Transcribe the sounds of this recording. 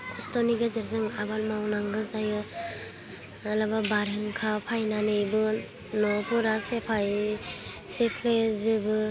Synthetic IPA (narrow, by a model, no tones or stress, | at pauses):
kʰɔstɔniɡezɯɾzɯŋabat̚mawnaŋɡɯzajɯ | alababaɾɯŋkʰapʰajnanɯjbɯ | nɔpʰɔɾasepʰaj | sepʰlezɯbɯ